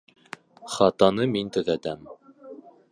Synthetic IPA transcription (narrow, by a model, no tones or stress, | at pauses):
χɑt̪ɑnɤmint̪ɵ̆ðæt̪æm